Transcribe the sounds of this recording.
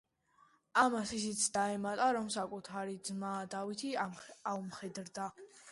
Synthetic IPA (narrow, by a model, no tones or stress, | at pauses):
amasisit̪sʰd̪aɛmat̪ʼaɾɔmsakʼut̪ʰaɾid̪zmaːd̪avit̪ʰiaumχɛd̪ɾd̪a